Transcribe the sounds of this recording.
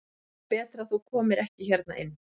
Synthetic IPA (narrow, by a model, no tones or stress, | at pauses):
pɛːt̪ɾaθukʰɔːmɪɾɛhcɪçɛɾt̪̚na̰ʔɪnː